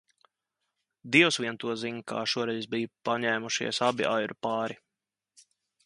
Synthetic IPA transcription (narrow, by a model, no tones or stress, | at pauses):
d̪iɛwsʋʲiɛnt̪uɔziɲka̰ːʃuɔɾɛjzbijupaɲæːmuʃḭɛsabiʔajɾupaːɾi